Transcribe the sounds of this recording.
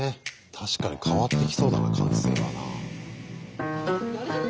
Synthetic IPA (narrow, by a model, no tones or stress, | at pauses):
e | t̪ʰaɕi̥kaɲ̟ikʰaβat̪ːekʲi̥so̞ːd̪a̰na̰kʰã̰ɰ̃se̞̰ːβa̰na̰